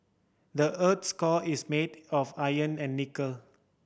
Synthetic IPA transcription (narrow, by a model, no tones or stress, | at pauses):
dəʔət̪skɔismedɔfajə̃nɛ̃nːikəl